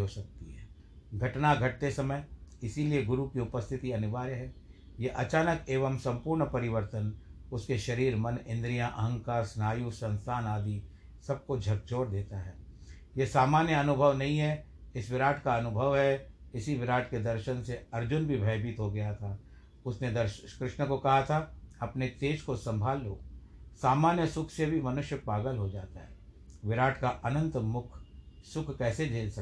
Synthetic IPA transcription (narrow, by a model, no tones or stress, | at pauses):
ɦosɐk̚t̪iɦɛː | ɡʱɐʈnaɡʱɐʈ̚t̪esɐməjɪsilieɡʊɾukiʊpəst̪ʰɪt̪iɐnʊʋaːɾɦɛː | jeʔɐt͡ʃaːnəkeːʋəmsɐ̃mpuːɾɳpɐɾɪʋəɾt̪ən | ʊskeʃɐɾiːɾmɐnɪ̃nd̪ɾijãʔɐɦə̃ŋkaːɾsnaːjusɐ̃nst̪ʰaːnaːd̪ʱi | sɐb̚kod͡ʒʱɐk̚t͡ʃoːɾd̪eːt̪aɦɛː | jesaːmaːnjəɐnʊbʱəʋnɐɦĩɦɛɪsʋɪɾaːʈʰkaɐnʊbʱəʋɦɛɪsiʋɪɾaːʈʰked̪ɐɾʃənseɐɾd͡ʒʊnbʱibʱɐɪbɪt̪ɦoɡɐjat̪ʰaː | ʊsned̪ɐɾkɾɪʃnəkokɐɦat̪ʰaɐpnet̪eːʃkosɐ̃mbʱaːlːoːsaːmaːnjəsʊkʰsebʱimɐnʊʃjəpaːɡəlɦod͡ʒaːt̪aɦɛː | ʋɪɾaːʈʰkaʔɐnə̃nt̪mʊkʰsʊkʰkɛːsed͡ʒeːlsɐ